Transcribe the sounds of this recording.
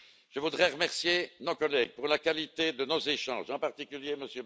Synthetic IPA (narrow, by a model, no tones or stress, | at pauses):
ʒ̥əvud̪ʁɛʁəmɛʁsjenokɔlɛɡ̚puʁlakalit̪ed̪ənozeʃɑ̰̃ːʒɑ̃paʁt̪ikʲyljeməsjø